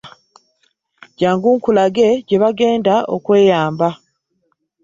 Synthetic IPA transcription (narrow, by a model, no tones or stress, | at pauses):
ɟaːŋɡuːŋkulaɡe̞ɟe̞βaɡe̞ːndao̰kwe̞ːjaːmba